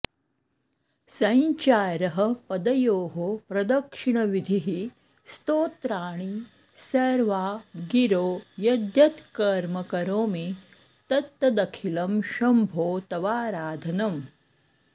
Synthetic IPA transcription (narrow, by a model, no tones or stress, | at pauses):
sɐɲt͡ʃaːɾɐɦɐ̆pɐd̪ɐjoːɦopɾɐd̪ɐkʂiɳɐʋid̪ʱiɦi | st̪oːt̪ɾaːɳ̃i | sɐɾʋaːɡiɾoːjɐd̪jɐt̪kɐɾmɐkɐɾoːmi | t̪ɐt̪ːɐd̪ɐkʰilɐmʃɐmbʱoːt̪ɐʋaːɾaːd̪ʱɐnɐm